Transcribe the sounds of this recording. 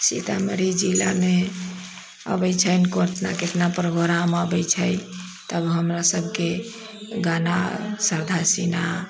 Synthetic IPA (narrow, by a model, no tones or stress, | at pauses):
sit̪aməɾid͡ʒilame | ə̰bəjt͡ʃʰəjnkoɾt̪na̰ket̪napɾəbʱəɾaməbəjt͡ʃʰəj | t̪əbɦəmɾasəbʱke | ɡana̰səɾd̪ʱasina